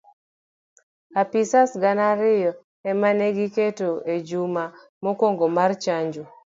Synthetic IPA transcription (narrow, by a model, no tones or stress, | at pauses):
apisasɡanaɾɪjɔ | ɛmaneɡiketoed͡ʒuma | mokoŋɡomart͡ʃaɲd͡ʒo